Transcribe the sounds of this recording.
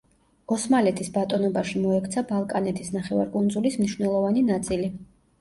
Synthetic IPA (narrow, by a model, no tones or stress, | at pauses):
ɔsmalɛt̪ʰisbat̪ʼɔnɔbaʃimɔɛkʰt̪sʰabalˠkʼanɛt̪ʰisnaχɛva̰ɾkʼund̪zulismniʃwnɛlˠɔvaninat̪sʼili